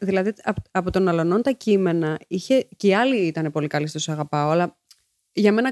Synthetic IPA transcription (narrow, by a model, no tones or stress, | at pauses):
ðilɐðiɐpɐpo̞t̪o̞nɐlono̞nt̪ɐcime̞nɐiçe̞ceiɐliit̪ɐne̞po̞likɐlist̪osɐɣɐpɐoɐlɐ | ʝɐme̞nɐ